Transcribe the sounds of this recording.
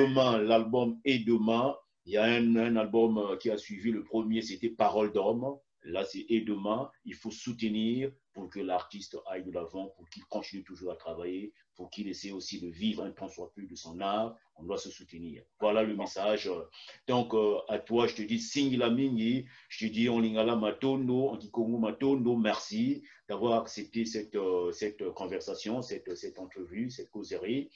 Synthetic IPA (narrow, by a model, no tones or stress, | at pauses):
dəmɛ̃lalbɔmɛd̪əmɛ̃ | ijaɛ̃nɛ̃nalbɔmkʲiasɥiviləpχəmjeset̪ɛpaʁɔld̪ɔm | lasɛʔɛd̪əmɛ̃ilfosut̪əniʁpuʁkəlaʁt̪ist̪ajd̪əlavɑ̃puʁkilkɔ̃t̪init̪uʒuːʁat̪χavaje | puʁkilesɛjosid̪əvivʁɛ̃nəpʰɑ̃swaplyd̪əsɔ̃naʁkɔ̃d̪wasəsut̪əniːʁvwalaləmesaʒød̪̥ɔ̃køat̪waʒət̪əd̪isĩŋɡilamĩŋɡiʒ̥ət̪əd̪iɔ̃lĩŋɡalamat̪ond̪oɑ̃kikɔŋɡomat̪ond̪omɛʁsi | d̪̥avwaʁaksɛp̚t̪esɛt̪øsɛt̪kɔ̃vɛʁsasjɔ̃sɛt̪sɛt̪ɑ̃t̪χəvysɛt̪̚kozeʁi